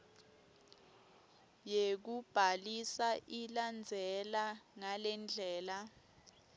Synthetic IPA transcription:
jek̬ub̥ʱalisaʔiland͡zʱɛlaŋalɛnd͡ɮʱɛːla

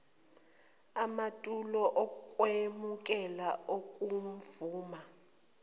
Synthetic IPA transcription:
amatʼulɔʔɔkʼwemukʼɛlaokʼum̩vuːma

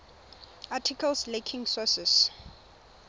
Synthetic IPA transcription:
ʔatʰikʰalslekʰĩŋsɔsɛs

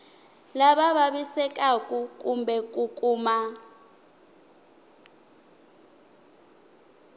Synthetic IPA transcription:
laɓaɓaɓisɛk̬ʼakʼukʼumbɛk̬ʼukʼuːma

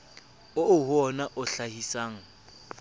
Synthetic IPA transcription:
ʊʊhɔnaʔʊɬahisaːŋ̩

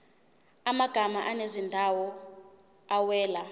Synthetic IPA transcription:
amaɡ̥ʱamaʔanezindʱawɔ | awɛːla

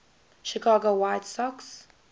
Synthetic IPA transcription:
ʃikʰɑːɡowaɪtsɔks

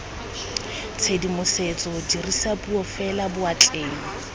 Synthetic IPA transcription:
t͡sʰedimʊset͡sʼɔdirisapʼuɔfɛlabʊat͡ɬʼeːŋɔ

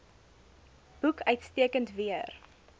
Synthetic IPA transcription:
b̥ukœɥtstiəkəntviər

